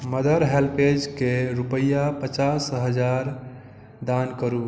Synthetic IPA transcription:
məd̪əɾɦelped͡ʒkeɾupəjːapət͡ʃasɦəd͡ʒaɾ | d̪ankəɾu

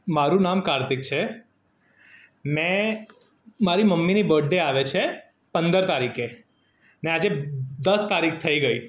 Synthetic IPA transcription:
maɾũnamkaɾt̪ɪkt͡ʃʰe | mɛ̃ | maɾiməmːinibəɖːeaʋet͡ʃʰe | pənd̪əɾt̪aɾike | nead͡ʒed̪əst̪aɾikʰt̪ʰəiɡəi

